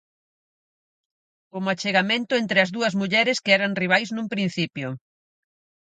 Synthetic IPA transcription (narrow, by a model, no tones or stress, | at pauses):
omat͡ʃeɣamẽnt̪ʊent̪ɾɪɐzðuɐzmuʎɛɾɪskeɛɾaŋriβ̞ajznũmpɾin̟θipjʊ